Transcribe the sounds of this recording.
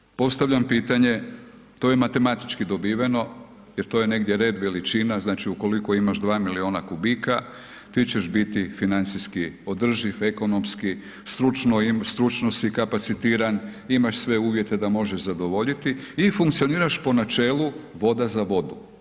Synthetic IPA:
po̞st̪aʋʎampiːt̪aɲe̞ | t̪oːjemat̪e̞mat̪i̥t͡ʃkid̪o̞biːʋeno̞ | jeɾt̪o̞ːjene̞ɡd̪je̞ɾe̞d̪ʋe̞lit͡ʃinaznaːt͡ʃiuko̞liko̞imaʒd̪ʋaːmilio̞ːnakubika | t̪iːt͡ɕe̞ʃbit̪ifinant̪siskio̞d̪r̩ʒife̞ko̞no̞mski | st̪ɾut͡ʃnoimst̪ɾut͡ʃnosikapat̪sit̪iːɾanimaʃsʋe̞uːʋje̞t̪e̞d̪amo̞ʒeʒzad̪o̞ʋo̞ʎit̪iːfuŋkt̪sio̞niːɾaʃpo̞nat͡ʃe̞ːluʋo̞d̪azaʋo̞d̪u

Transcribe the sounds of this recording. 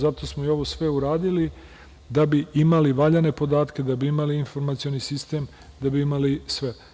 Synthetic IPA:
zat̪o̞smoio̞ʋo̞sʋe̞uɾaːd̪ili | d̪abiimaliʋaʎane̞po̞d̪aːt̪ke̞d̪abiimaliinfo̞ɾmat̪sio̞nisist̪eːm | d̪abiimalisʋe

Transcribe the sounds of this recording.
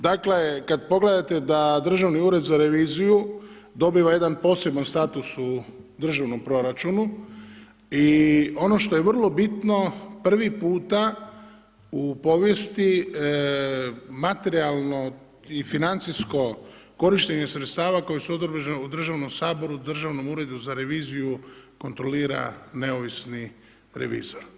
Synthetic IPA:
d̪akle̞kad̪̚po̞ɡle̞d̪at̪e̞d̪ad̪r̩ʒaʋniuːɾe̞d̪zaɾe̞ʋiːziju | d̪o̞biʋaje̞d̪anpo̞ːse̞banst̪aːt̪usud̪r̩ʒaʋno̞mpɾo̞ɾat͡ʃunu | io̞no̞ʃt̪o̞jeʋr̩lˠo̞bit̪no̞pr̩ʋipuːt̪a | upo̞ʋje̞st̪i | mat̪e̞ɾialˠno | ifinant̪sisko̞ | ko̞ɾiʃt̪e̞ɲe̞sɾet̪st̪aːʋako̞jsuod̪rbʒud̪r̩ʒaʋno̞msaːbo̞ɾud̪r̩ʒaʋno̞muɾe̞d̪uzaɾe̞ʋiːzijuko̞nt̪ɾo̞liːɾa̰ne̞oʋisni | ɾe̞̰ʋḭːzoɾ

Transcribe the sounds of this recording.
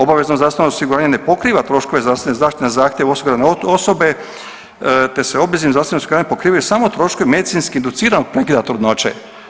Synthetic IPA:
o̞baʋeznozaːst̪nosiɡuɾaːɲenepo̞kɾiːʋat̪ɾo̞ʃko̞ʋezɾaːsit̪nezaːʃt̪it̪nezaːxt̪ʲjeʋosiɡuɾaneosobe̞ | t̪e̞seo̞bezimzaːst̪nosiɡuɾaːɲepo̞kɾiːʋajusaːmout̪ɾo̞ʃkoʋimed̪it̪sinskiind̪ut̪siːɾanoɡ̚pɾe̞kid̪at̪ɾud̪not͡ɕḛ

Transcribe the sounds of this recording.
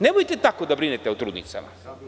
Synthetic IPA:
nebojt̪et̪akod̪abɾinet̪eut̪ɾuːd̪nḭt̪sa̰ma̰

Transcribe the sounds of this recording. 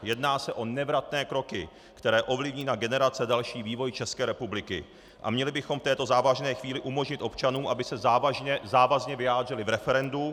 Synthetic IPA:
jɛdnaːsɛʔo̞nɛvɾat̪nɛːkɾo̞kɪ | kt̪ɛɾɛːʔo̞vlɪvɲiːnaɡɛnɛɾat͡sɛdalʃiːviːvo̞jt͡ʃɛskɛːɾɛpublɪkɪ̰ | ʔa̰mɲɛlɪbɪxo̞mft̪ɛːt̪o̞zaːvaʒnɛːxviːlɪʔumo̞ʒɲɪt̪ʔo̞pt͡ʃanuːʔabɪsɛaaɛzaːvazɲɛvɪjaːd̪r̝ɪlɪvɾɛfɛɾɛndu

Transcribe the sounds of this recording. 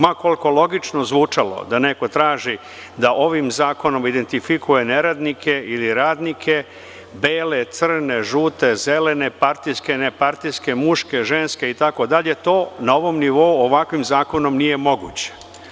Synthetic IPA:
mako̞lˠko̞lo̞ɡit͡ʃno̞zʋuːt͡ʂalo̰d̪aneko̞t̪ɾaːʒi | d̪aʔo̞ʋimzaːko̞no̞mid̪e̞nt̪ifikuje̞neɾad̪nikʰe̞ʔiliɾaːd̪nikʰe̞ | beːlet̪sr̩ne̞ʒuːt̪e̞zelene̞paɾt̪iske̞nepaɾt̪iske̞muʂke̞ʒenske̞it̪ako̞d̪aʎe̞t̪o̞ːnao̞ʋo̞mniʋo̞uoʋakʋimzaːko̞no̞mnije̞mo̞ɡṵːt͡ɕe̥

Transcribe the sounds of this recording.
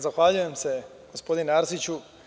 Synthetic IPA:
zaxʋaːʎuje̞mse̞ | ɡ̥o̞spo̞d̪inaɾsit͡ɕu

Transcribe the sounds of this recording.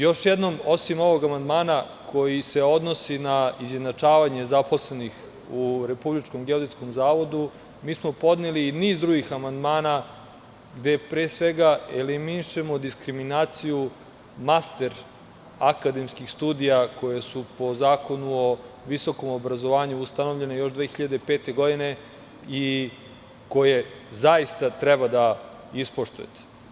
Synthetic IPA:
jo̞ʃjed̪no̞mo̞simo̞ʋo̞ɡamand̪maːna | kʰo̞jise̞o̞d̪no̞sinaizjenat͡ʂaːʋaɲe̞zapo̞sle̞nix | uɾe̞publit͡ʃko̞mɡeod̪et̪sko̞mzaːʋo̞d̪u | miːsmo̞po̞d̪neliːniːzd̪ɾuɡixamand̪maːna | ɡd̪e̞pɾeːsʋe̞ɡaeliminiʃe̞mo̞d̪iskɾiminaːt̪siju | mast̪e̞ɾ | akad̪e̞mskixst̪uːd̪ijako̞je̞supo̞zaːko̞nuo | ʋiso̞ko̞mobɾazo̞ʋaːɲuːst̪ano̞vʎe̞ne̞jo̞ʃd̪ʋeːxiʎad̪eipeːt̪e̞ɡo̞d̪ine̞ | i | ko̞je̞ | zaist̪at̪ɾɛbad̪a | ispoʃt̪ujḛt̪e̥

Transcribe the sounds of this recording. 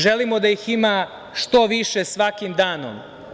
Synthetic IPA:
ʒe̞limo̞d̪ajixima | ʃt̪o̞ʋiʃe̞sʋakimd̪aːno̰m

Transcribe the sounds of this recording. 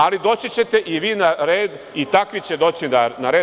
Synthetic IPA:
alid̪o̞ːt͡ɕit͡ɕe̞t̪e̞ʔiʋiːnaɾeːd̪ | it̪akʋit͡ɕe̞d̪o̞ːt͡ɕinanaɾe

